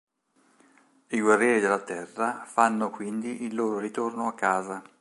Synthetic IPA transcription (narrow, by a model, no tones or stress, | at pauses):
iɡwarːjɛːɾid̪elːat̪ɛrːafanːokwind̪iʔilːoːɾoɾit̪ornoakːaːza